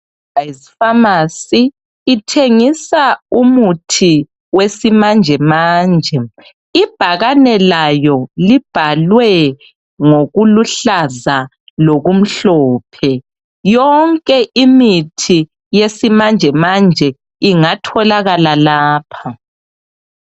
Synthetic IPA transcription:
aizifamasiː | tʰeŋisaumutʰi | wesimand͡ʒʱɛmaːnd͡ʒʱɛ | ib̥ʱaɣanɛlajɔlib̥ʱalwɛ | ŋoɣuluɬaza | loɣum̩ɬɔːpʰɛ | jɔŋkʼɛʔimitʰi | jesimand͡ʒʱɛmand͡ʒʱɛ | iŋatʰɔlaɣalalaːpʰa

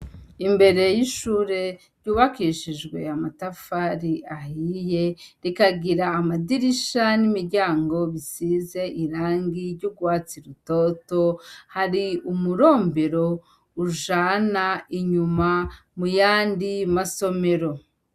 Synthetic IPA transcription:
imbe̞ɾe̞jiʃuːɾe̞ | ɾɟuːβakiʃiʒɡwe̞̰amatafaɾiahije̞ɾikaɡiɾaːmadiɾiʃanimiɾɟaːŋɡo̞βisize̞ʔiɾaːŋɡiɾɟuɡwaːt͡siɾuto̞to̞haɾiumuɾo̞ːmbe̞ɾo̞ | uʒaːnaiɲuma | mujaːndimaso̞me̞ɾo̞

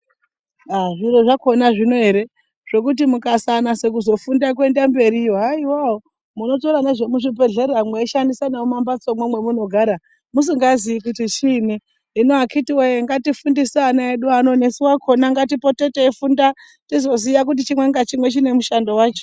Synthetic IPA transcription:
aʐiɾo̞ʐako̞naʐino̞ɦe̞ɾe̞ | ʐ̥e̞kut̬imukasanase̞k̬uzo̞fundak̬we̞ndambe̞ɾiaiwao | muno̞to̞ɾaneʐe̞muʐibʱe̞ɮe̞ɾamweiʃandisanaumambat͡so̞mwemwe̞muno̞ɡʱaːɾa | mus̬iŋɡaziikutit͡ʃiniː | noakʰitiweeŋɡatifundisaanaeɗuano̞nesiwakʰo̞naŋɡatipo̞te̞teifunda | tizo̞zijak̬ut̬it͡ʃimwe̞ŋɡat͡ʃimwe̞t͡ʃine̞muʃando̞waːt͡ʃo̥

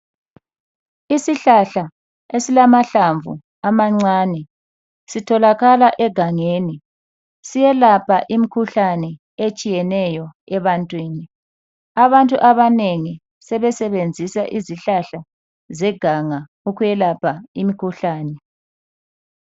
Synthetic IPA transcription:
isiɬaɬa | esilamaɬaɱvṵ | amaŋ͡ǀaːnɛ | sitʰɔlaɣalaʔɛɡ̥ʱaŋeːni | sijɛlapʰaʔimikʰuɬanɛ | et͡ʃʼijɛnɛjɔɛβantʼwiːni | aβantʼuʔaβaneŋi | sɛβɛsɛβend͡zʱisaʔiziɬaɬa | zɛɡ̥ʱaŋa | ukujɛlapʰaimikʰuɬaːnɛ

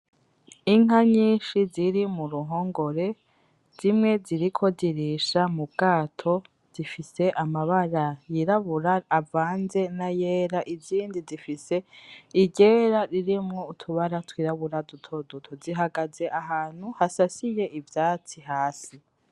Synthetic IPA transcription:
iŋ̥aɲiːʃiziɾimuɾuɦo̞ːŋɡo̞ɾe̞ | z̥imŋe̞ziɾikʰo̞ziɾiʃamub̚ɡaːtʰo̞ | z̥ifise̞ʔamaβaɾajiɾaβuɾaːvaːnze̞najeːɾaʔiziːndizifise̞iɟe̞ːɾaɾiɾimŋo̞utʰuβaɾatwiɾaβuɾadutʰo̞dutʰoziɦaɡaze̞ʔaɦaːn̥huhasasije̞ʔivjaːt͡siɦaːsi

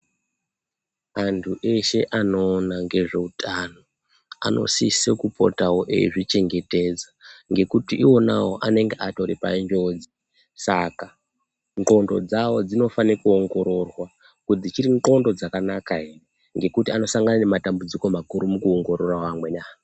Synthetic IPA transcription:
antʰuʔe̞ʃe̞ʔano̞ːnaŋɡe̞ʐe̞utʰano | a̰nʔo̞̰sisekupʰo̞̰tawoʔḛiʐit͡ʃe̞ŋɡe̞te̞d͡zaŋɡe̞kutiʔiwo̞na̰wo̞ʔane̞ŋɡeʔato̞ɾipa̰ind͡ʒo̞d͡zi | saka | ŋǃo̞ndo̞̰d͡zawo̞d͡zino̞fanekuoŋɡo̞ɾo̞rwa | kud͡zit͡ʃiɾiŋǃo̞ndo̞d͡zakanakaɦere | ŋɡe̞kutiano̞saŋɡanane̞matambud͡ziko̞makuɾumukuoŋɡo̞ɾo̞rawamwe̞ɲa

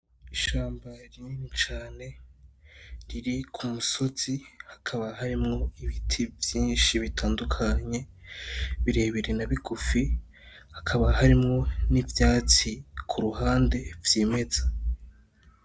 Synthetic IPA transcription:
iʃaːmbaɾininit͡ʃaːne̞ | ɾiɾikʰumuso̞z̥ihḁkʰaβahaɾimŋo̞iβitʰivjiːnʃiβitʰaːndukʰaɲe̞ | βiɾe̞ːβeɾenaβiɡufi | hakʰaβahaɾimŋo̞nivjaːt͡sikʰuɾuhaːnde̞vjeːme̞z̥a

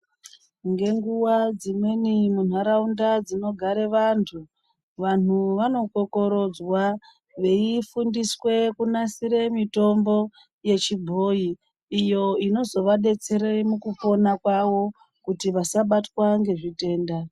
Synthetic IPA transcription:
ŋɡe̞ŋɡuwad͡zimwe̞nimun̤aɾaundad͡zino̞ɡʱaɾe̞ʋantʰu | ʋan̤uʋano̞ko̞ko̞ɾo̞d͡zwa | ʋe̞ifundiswe̞kunasiɾe̞mito̞mbo̞ | je̞t͡ʃibʱo̞iː | jo̞ino̞zo̞ʋaɗe̞t͡se̞ɾemukupo̞nakwawo̞ | kutiʋasaɓatwaŋɡe̞ʐite̞ːnda

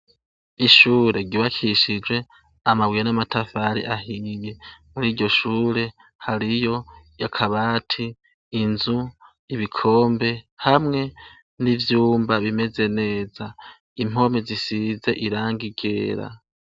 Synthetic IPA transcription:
iʃuːɾe̞ɡiβakʰiʃid͡ʒwe̞ | amawijenamatʰafaɾḭʔaɦije̞muɾiːɟo̞ʃuːɾe̞ | haɾijo̞jakʰaβaːtʰiː | nzu | iβikʰo̞ːmbe̞hamŋe̞ | nivjuːmbaβime̞ze̞ne̞ːza | im̥o̞mezisize̞ʔiɾaːŋɡiɡe̞ːɾa̰

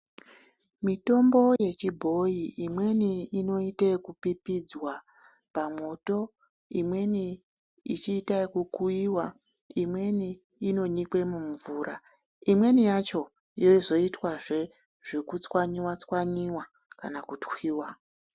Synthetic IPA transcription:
mito̞mbo̞je̞t͡ʃibʱo̞iimwe̞niino̞itekupipid͡zwa | pamo̞to̞ | imwe̞ni | it͡ʃiːtaikukuiwa | imwe̞niː | no̞ɲikwe̞muɱvuɾʔa | imwe̞nijat͡ʃo̞ | jo̞izo̞itwaʐe̞ | ʐ̥ekut͡swaɲiwat͡swaɲiwa | kanakutwiːwa

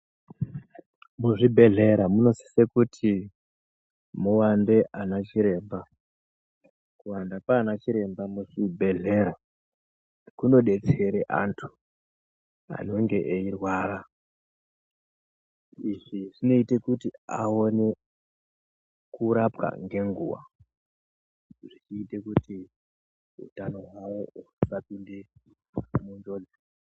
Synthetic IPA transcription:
muʐibʱe̞ɮe̞ɾamuno̞si̥sekutʰi | muwande̞ʔanat͡ʃiɾe̞ːmba | kuwandapaːnat͡ʃiɾe̞mbamut͡ʃibʱe̞ɮe̞ɾa | kuno̞ɗe̞t͡se̞ɾeʔa̰ntʰu̥ | a̰no̞ŋɡe̞ʔeirwaːɾa | iʐiʐino̞ite̞kutia̰o̞ne̞ | kuɾapwa̰ŋɡe̞ŋɡṵwa̰ | ʐit͡ʃiːtekuti | ṵtano̞ɦwawouuusapinde | muɲd͡ʒo̞d͡ze

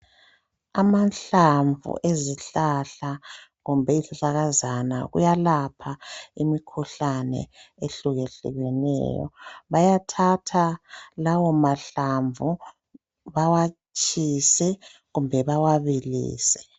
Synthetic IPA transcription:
amanɬaɱvṵʔeziɬaɬaɣumbʱɛiziɬaɣazana̰ɣṵjalapʰaimikʰuɬanɛ̰ | eɬuɣɛɬṵɣɛnɛ̰ːjɔ̰βajatʰatʰalawɔmaɬaɱvu | βawa | t͡ʃʰʼisɛɣumbʱɛβawaβilḭːsɛ̥

